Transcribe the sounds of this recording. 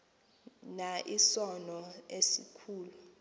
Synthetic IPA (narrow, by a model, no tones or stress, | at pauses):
naʔisɔnɔesikʰuːlu